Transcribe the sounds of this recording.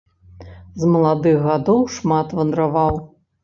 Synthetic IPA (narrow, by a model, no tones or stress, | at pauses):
zmɐlˠad̪ɨɣɣad̪ɔwʂmat̪vɐnd̪ɾavaw